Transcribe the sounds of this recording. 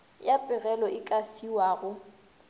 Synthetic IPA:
japʼɪɣɛlɔʔɪkʼafiwaːɣʊ

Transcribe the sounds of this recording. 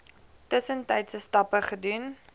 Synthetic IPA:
təsəntɛjtsəstɐpəχədun

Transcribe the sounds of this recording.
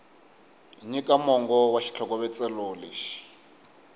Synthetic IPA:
iɲikʼamɔŋɡɔwaʃi̥t͡ɬʰɔkɔβɛt͡sʼɛloːleʃi̥

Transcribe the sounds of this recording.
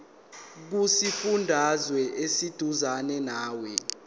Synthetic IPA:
k̬usifundʱazwɛʔesid̥ʱuzanɛnaːwɛ

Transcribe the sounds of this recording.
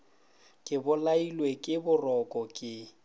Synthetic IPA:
kʼɪbʊlailwekʼɪbʊrɔkʼɔkʼɪ

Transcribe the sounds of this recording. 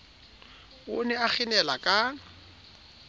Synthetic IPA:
ʊnɛak͡xɪnɛlakʼa

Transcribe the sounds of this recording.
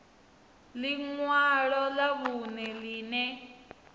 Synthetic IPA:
liŋwaɺɔlaβunɛliːnɛ

